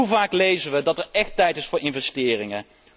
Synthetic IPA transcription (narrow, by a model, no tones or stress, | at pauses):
uvaːklejzəʋədɑtɛɹɛχtɛjtɪsfʊːɹɪnvɛstɪːrɪŋə